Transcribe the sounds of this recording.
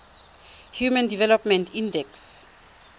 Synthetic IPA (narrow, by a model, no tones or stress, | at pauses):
hjumãndivɛlɔpmɛ̃ntʰĩndɛks